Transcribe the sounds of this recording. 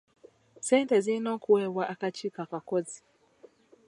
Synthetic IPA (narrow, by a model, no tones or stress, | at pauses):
sɛntɛzinɔkuɛwaʔakat͡ʃikakakɔzi̥